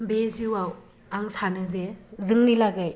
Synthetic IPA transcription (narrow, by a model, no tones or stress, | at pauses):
beziwaw | aŋsanɯzezɯŋnilaɡɯj